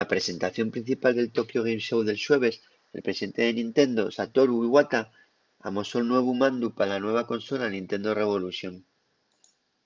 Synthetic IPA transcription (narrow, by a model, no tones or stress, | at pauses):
apɾe̞se̞nt̪aθjo̞mpɾin̟θipald̪e̞lt̪o̞kjoɣ̞emsewðe̞lswe̞β̞e̞s | elpɾesiðent̪e̞ðe̞nĩnt̪e̞nd̪o̞sat̪o̞ɾuiβwat̪a | a̰mosolnwe̞β̞umãnd̪upalanwe̞β̞ako̞nso̞lanĩnt̪e̞nd̪o̞re̞β̞o̞luθjoŋ